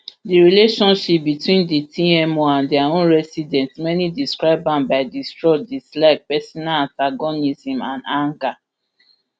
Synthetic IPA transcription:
diɹileʃɔ̃nʃip̚bitwĩnditiɛmoãndiawɔ̃ɹɛsidɛ̃ntmɛnidiskɹaɪbãnbaɪdistɹɔdislaɪk̚pɛsɔnalãntaɡɔnizĩmãndãŋka

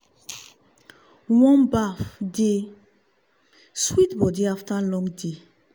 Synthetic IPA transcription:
wɔ̃nbafde | switbɔdiaftalɔ̃ŋɡde

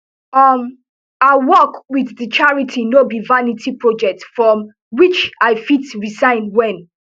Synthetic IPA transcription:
ʌm | aɪwɔkwiððit͡ʃaɹitʰinobivanitʰipɹɔd͡ʒɛk̚tfɹɔ̃m | wit͡ʃaɪfitɹisãɪ̃nwɛ̃n

